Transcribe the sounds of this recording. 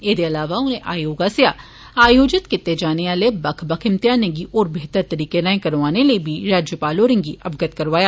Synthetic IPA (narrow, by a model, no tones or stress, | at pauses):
eːd̪eɐlaːʋaʊnẽʔaːjoːɡasea | aːjoːd͡ʒɪt̪kɪt̪ːed͡ʒaːneaːlebɐkʰbɐkʰɪmt̪jaːneɡiʔɔːɾbeɦt̪əɾt̪ɐɾiːkeɾãːẽkɐɾʋaːneləibʱiɾaːd͡ʒjəpaːloːɾɪ̃ŋɡiʔɐbɡət̪kɐɾʋaːjaː